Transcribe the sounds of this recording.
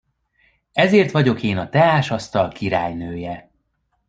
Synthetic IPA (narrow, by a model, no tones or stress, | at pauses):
ɛzeːrt̪ʋɒɟo̞keːnɒt̪ɛaːʃɒst̪ɒlkiɾaːjnøːjɛ